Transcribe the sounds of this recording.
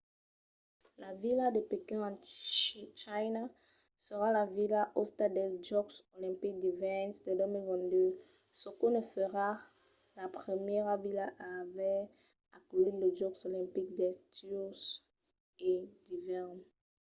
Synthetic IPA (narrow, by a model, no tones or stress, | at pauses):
lavilad̪epekɛ̃ã | t͡ʃajna | səʁalavilaʔost̪ad̪ɛd͡ʒɔksolɛ̃mpik̚d̪ivɛnsd̪ed̪ømilvɛ̃nd̪ø | sokonəfəʁa | lapχəmjɛʁavilaʔaːvɛ | akliləd͡ʒɔksolɛ̃mpik̚d̪ɛt̪ys | ed̪ivɛʁn